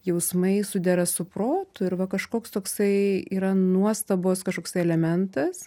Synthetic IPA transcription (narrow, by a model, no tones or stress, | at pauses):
jɛʊsmɐɪsʊd̪ʲɛɾɐsʊpɾoːt̪ʊɪɾʋɐkɐʃkoːkst̪oːksɐɪiːɾɐnuɔst̪ɐboːskɐʃkoːksɐɪɛlʲɛmʲɛnt̪ɐs